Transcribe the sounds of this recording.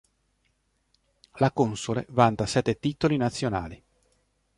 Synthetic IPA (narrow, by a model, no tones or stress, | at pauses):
lakonsolḛvant̪asɛt̪ːet̪it̪olinat̪sːjonaːli